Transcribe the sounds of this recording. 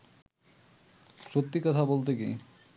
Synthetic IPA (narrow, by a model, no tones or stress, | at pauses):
ʃot̪ːikɔt̪ʰabolt̪̬ekḭ